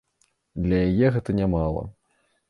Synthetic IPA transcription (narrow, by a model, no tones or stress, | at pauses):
d̪lʲɐjajɛɣɛt̪ɐnʲamalˠɐ̰